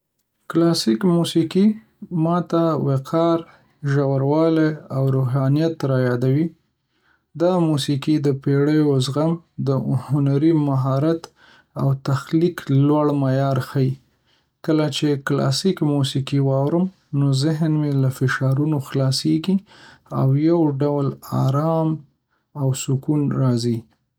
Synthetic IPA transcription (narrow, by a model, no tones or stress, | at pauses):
klɑsikmusiki | mɑt̪aweqʰɑɾ | ʒawaɾwɑleawɾoɦɑnijat̪ːɾɑjɑd̪awi | d̪ɑmusikid̪əpeɽəjozɣamd̪əhʊnaɾimaɦɑɾat̪ | awt̪axliklwaɽmajɑɾxaji | kəlat͡ʃeklɑ̰sikmusikiwɑwɾəm | nozɪɦnmelafɪʃɑɾunoxlɑseɡiawjawɖawla̰ɾɑm | awsʊkunɾɑzi